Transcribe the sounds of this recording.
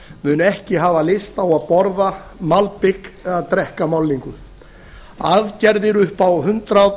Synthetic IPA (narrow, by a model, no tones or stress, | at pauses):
mʏnʏɛhcɪɦaːvalɪst̪awaðpɔɾða | malpɪkɛaðt̪ɾɛhkamawlːiŋkʏ | aðcɛɾðɪɾʏhpawɦʏnt̪ɾað